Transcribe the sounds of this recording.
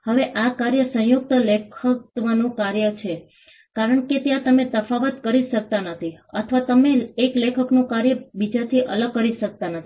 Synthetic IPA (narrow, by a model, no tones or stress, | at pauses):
həʋeʔakaɾjəsə̃ɦjuk̚t̪əlekʰət̪ʋanũkaɾjət͡ʃʰe | kaɾəɳket̪jãt̪əmet̪əfaʋət̪kəɾiʃək̚t̪anət̪ʰiət̪ʰʋat̪əmeːklekʰəknũkaɾjəbid͡ʒat̪ʰiʔələɡ̚kəɾiʃək̚t̪anət̪ʰii